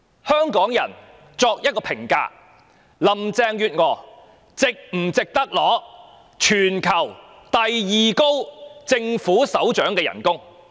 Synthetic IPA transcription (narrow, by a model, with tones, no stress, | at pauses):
hœː˥ŋkɔː˨˥ŋjɐ˨˩n | t͡sɔː˧k̚jɐ˥t̚kɔː˧pʰɪ˨˩ŋka̰ː˧ | lɐ˨mt͡sɛː˧ŋjyː˧t̚ŋɔː˨˩ | t͡sɪ˨k̚m̩˨˩t͡sɪ˨k̚t̪ɐ˥k̚lɔː˨˥ | t͡ʃʰyː˨˩nkʰɐ˨˩w | t̪ɐ˨jjiː˨ko˥wt͡sɪ˧ŋfuː˨˥sɐ˨˥wt͡ʃœː˨˥ŋkɛː˧jɐ̰˨˩nkʊ˥ŋ